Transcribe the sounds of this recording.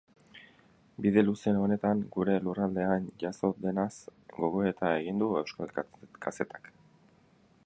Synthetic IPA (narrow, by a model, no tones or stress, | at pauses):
biðe̞luse̞o̞ne̞t̪aŋɡuɾe̞lurald̪e̞anʝaso̞d̪e̞nasɡo̞ɣo̞e̞t̪ae̞ɣind̪ue̞wskalkʰase̞t̪ḁk